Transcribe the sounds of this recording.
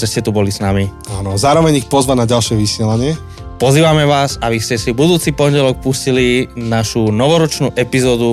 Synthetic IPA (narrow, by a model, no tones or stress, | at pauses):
ʒɛscɛt̪ubɔlisnami | aːnɔzaːɾɔʋɛɲixpɔzʋanaɟalʃɪɛʋisɪɛlaɲɪɛ | pɔziːʋamɛʋaːsaʋiscɛsibud̪uːt͡sipɔɲɟɛlɔk̚puscilinaʃunɔʋɔɾɔt͡ʃnuːʔɛpizɔːd̪u